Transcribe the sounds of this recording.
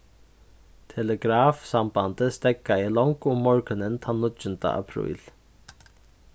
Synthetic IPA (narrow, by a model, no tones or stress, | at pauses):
t̪ʰɛləɡɾaːfsambant̪əst̪ɛkːaɪlɔŋkʊmːɔɹkʏnənt̪ʰanʊd͡ʒʏnt̪ə̰ʔa̰pʰɾṵjl